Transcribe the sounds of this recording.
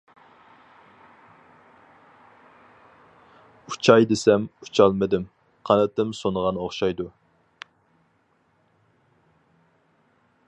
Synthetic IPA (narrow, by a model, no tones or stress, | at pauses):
ut͡ʃʰɑjd̪ɪsɛmu̥t͡ʃʰɑlˠmɨd̪ɪm | qʰɑnɨt̪ɨmsonəʁɑnoχʃɑjd̪u